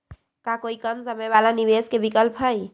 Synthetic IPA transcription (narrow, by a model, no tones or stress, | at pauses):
kakoːikəmsəmeβalaniʋeːskebikəlpʰɦəj